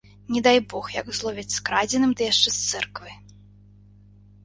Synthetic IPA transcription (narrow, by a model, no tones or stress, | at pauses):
nʲɛd̪ajbɔxjɐkzlˠɔvʲɛt͡sʲskɾad͡zʲɛnɨmd̪ɨjaʂt͡ʂɛst̪sɛrkvɨj